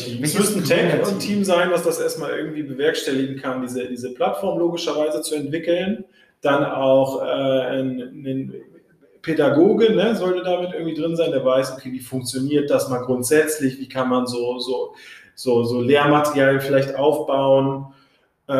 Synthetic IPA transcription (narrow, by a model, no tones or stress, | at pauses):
iːmsmʏstn̩tʰɛkʊntʰiːmzaɪnvasd̥asʔeːɐstmaːlʔɪɐɡŋ̩tv̥iːbəvɛɐkʃtɛlɪɡŋ̩kʰandiːzədiːzəpʰl̥atfɔɐmloːɡɪʃɐvaɪzət͡suɛntv̥ɪkl̩n | d̥anʔaʊxʔɛːnnən | pʰedaɡoːɡənəzɔltədaːmɪt̚ʔɪɐɡŋ̩tv̥iːdʁɪnzaɪndeːɐvaɪsʔokʰeːviːfʊŋk̚t͡sjoniːɐt̚d̥asmaːlɡʁʊntz̥ɛt͡slɪçv̥iːkʰanmanzoːzoː | z̥oːzoːleːɐmatəʁjaːljəfɪlaɪçtʔaʊfb̥aʊən | ʔ